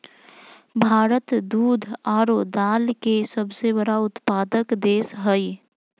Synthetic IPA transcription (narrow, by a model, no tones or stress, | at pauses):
bʱaːɾət̪d̪uːd̪ʱaːɾoːd̪aːlkesəbsebəɽaʊt̪paːd̪əkd̪eːsɦəi